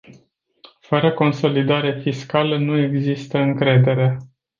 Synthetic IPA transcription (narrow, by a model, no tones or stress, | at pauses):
fəɾəko̞nso̞lid̪aɾefiskalənue̞ɡzist̪əɨŋkɾe̞d̪e̞ɾe̞